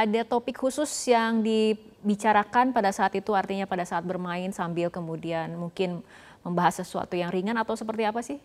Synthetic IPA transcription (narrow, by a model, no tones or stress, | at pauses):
adat̪opɪkhusʊsjaŋdibit͡ʃaɾakanpadasaːt̪it̪uart̪iɲapadasaːt̪̚bərmaɪnsambɪlkəmudianmuŋkɪn | məmbaɦasəsua̰t̪ujaŋriŋanat̪awsəpərt̪iapasɪh